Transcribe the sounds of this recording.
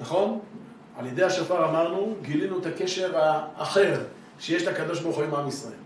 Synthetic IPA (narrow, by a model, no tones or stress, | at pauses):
naχo̞n | aljed̪ejaʃafaʁamaʁnuɡilinuet̪ake̞ʃe̞ʁaːχe̞ʁ | ʃejeʃlaakad̪o̞ʃ̬bauχuimamisʁaḛl